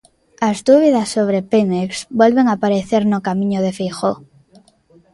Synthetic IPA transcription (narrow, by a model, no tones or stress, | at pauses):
azd̪uβ̞iðasːoβ̞ɾepeŋeksbwelβeŋapaɾeθeɾnokamĩɲoð̞efejxo